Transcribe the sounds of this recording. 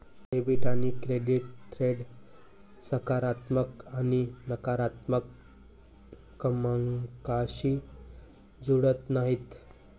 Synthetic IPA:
ebiʈanikɾeɖiʈt̪ɾeɖ | səkaɾat̪məkaninəkaɾat̪mək | əməŋkaɕi | d͡zuɽət̪naɦit̪

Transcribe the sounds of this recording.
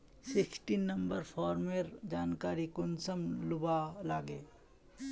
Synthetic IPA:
sɪksʈiːnːɐ̃mbəɾpʰɔːɾmeɾd͡ʒaːnkaːɾikʊnsəmlʊbalaːɡeː

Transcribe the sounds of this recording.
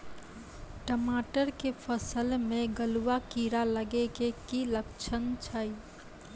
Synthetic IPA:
ʈəmaʈəɾkepʰəsəlmẽɡəluwakiɾaləɡekekiləkt͡ʃʰənt͡ʃʰəi

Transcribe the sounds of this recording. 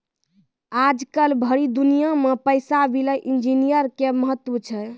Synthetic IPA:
ad͡ʒkəlbʱəɾid̪unijamepəjsabiləʔind͡ʒinijəɾkeməɦət̪ːwut͡ʃʰɛ

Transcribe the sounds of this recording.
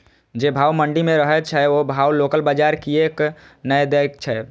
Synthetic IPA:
d͡ʒebʱaːwməɳɖimẽɾəɦɛt͡ʃʰɛobʱaːwloːkəlbad͡ʒaɾkieːk | nəjd̪ekt͡ʃʰɛ

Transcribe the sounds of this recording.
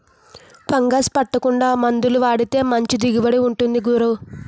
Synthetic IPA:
pɐŋɡaːspɐʈːɐkuɳɖaːmɐnd̪uluʋaːɽit̪e̞ːmɐɲt͡ʃid̪iɡibɐɽiuɳʈund̪iɡuːɾɐw

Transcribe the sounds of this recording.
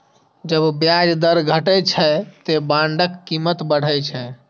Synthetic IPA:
d͡ʒəbbjad͡ʒd̪əɾɡʱəʈət͡ʃʰɛt̪ebãɳɖəkːimət̪bəɽ̤əjt͡ʃʰɛ

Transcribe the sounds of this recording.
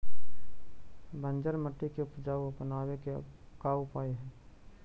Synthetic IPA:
bʱə̃nd͡ʒəɾməʈːikeʊpd͡ʒaːəpənaːweke | kaːʊpaːeɦɛ̃ː

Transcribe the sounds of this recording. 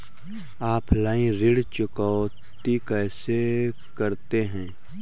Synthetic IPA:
aːpʰlaːĩɾɪɽt͡ʃʊkɔ | t̪ikɛːse | kəɾt̪eɦɛ̃ː

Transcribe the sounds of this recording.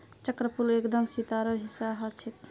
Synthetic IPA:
t͡ʃəkɾəpuɾekd̪əmsit̪aɾəɾɦisaɦət͡ʃʰit̪

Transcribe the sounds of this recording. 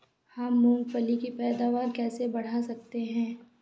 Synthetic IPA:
hɐmːʊ̃ŋɡpəlikipɛːd̪aːʋaːɾkɛːsebɐɽ̤asɐk̚t̪eɦɛ̃ː

